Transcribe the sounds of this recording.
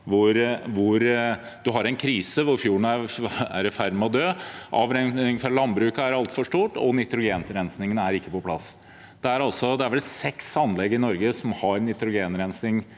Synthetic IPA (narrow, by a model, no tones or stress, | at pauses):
ʋʊɾʋʊɾ | d̪ʉɦɑɾɛɪnkʰɾiːsəʋʊɾfjuːɳ̩æɾæ̰ɾɛfæɾmɔd̪øːʔɑʋɾɛŋɪŋfɑlɑnbɾʉːkɑæɾɑlt̪fɔʂʈuːʈɔ̰nɪt̪ɾʊɡeːnsɾɛnsnɪŋənəæɾɪkːəpɔpʰlɑs | d̪̥ɛæɾɑlsɔd̪ɛæɾʋɛlsɛksɑnːlɛɡːəɪnɔɾɡəsɔmhɑɾnɪt̪ɾʊɡeːnɾɛnsnɪŋ